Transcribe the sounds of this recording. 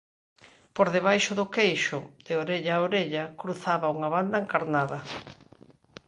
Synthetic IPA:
poɾðeβ̞ajʃʊðʊkejʃʊð̥eoɾeʎaoɾeʎakɾuθaβauŋɐβand̪ɐeŋkaɾnaðɐ

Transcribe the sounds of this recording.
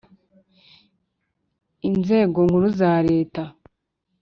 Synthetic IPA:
inze̞ːɡo̞ŋɡuɾuzaːɾe̞ːta

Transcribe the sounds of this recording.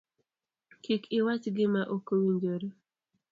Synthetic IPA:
kikɪwat͡ʃɡɪmaʔokowiɲd͡ʒoɾo

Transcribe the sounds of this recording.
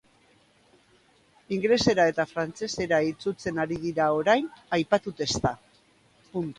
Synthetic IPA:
iŋɡle̞se̞ɾae̞t̪afɾant͡se̞se̞ɾait͡sut͡se̞naɾið̞iɾao̞ɾajnajpat̪ut̪e̞st̪a | punt̪u

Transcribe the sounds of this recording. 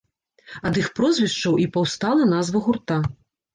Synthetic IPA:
ɐd̪ɨxpɾɔzʲvʲiʂt͡ʂɐwʔipɐwst̪alˠɐnazvɐɣurt̪a

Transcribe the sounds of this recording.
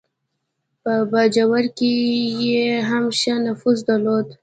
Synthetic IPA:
pəbad͡ʒawaɾkejeɦamʃanafusd̪alod̪

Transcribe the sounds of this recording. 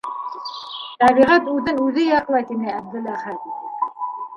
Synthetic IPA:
t̪æβiʁæt̪ʉðɘnʉðɘjɑqlˠɑjt̪inɘæb̚d̪ɘ̆læʁhæd̪i

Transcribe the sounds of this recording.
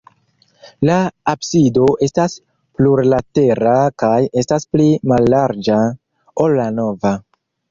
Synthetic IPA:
laːbsido̞ʔe̞stas | pluɾlate̞ɾakaje̞stasplimalːaɾd͡ʒa | o̞lːano̞va

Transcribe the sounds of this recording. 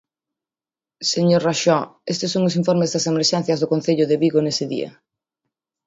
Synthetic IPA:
seɲoɾraʃɔest̪ɪsːoŋʊsiɱfoɾmɪzðɐsemeɾʃɛn̟θjɐzðʊkon̟θeʎʊðeβiɣonesɪðḭɐ̰

